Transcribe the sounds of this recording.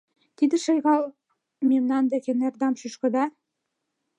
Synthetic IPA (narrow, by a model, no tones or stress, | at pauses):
t̪id̪ɘ̆ʃɤ̆jɣɑl | memnɑnd̪ĕkenerd̪ɑmʃyʃkɤ̆d̪ɑ